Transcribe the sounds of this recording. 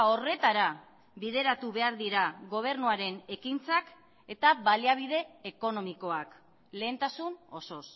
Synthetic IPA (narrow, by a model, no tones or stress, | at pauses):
o̞re̞t̪aɾa | βiðe̞ɾat̪uβe̞aɾðiɾaɣo̞β̞e̞ɾnuaɾe̞ne̞kint͡sak | e̞t̪aβaliaβ̞ið̞e̞ːko̞no̞miko̞ak | le̞ːnt̪asuno̞so̞s